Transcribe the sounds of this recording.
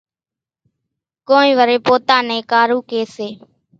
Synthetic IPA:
koːĩːʋəɾeːpoːt̪ãːnɛẽːkaːɾuːkeːseː

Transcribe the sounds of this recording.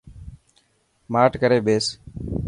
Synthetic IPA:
maːʈkəɾeːɓeːs

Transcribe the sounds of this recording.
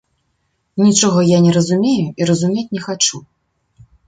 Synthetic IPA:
nʲit͡ʂɔɣɐjanʲɛɾɐzumʲejuiɾɐzumʲet͡sʲnʲɛxat͡ʂu

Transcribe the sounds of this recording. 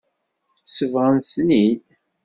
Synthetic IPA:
səvʁənθnid

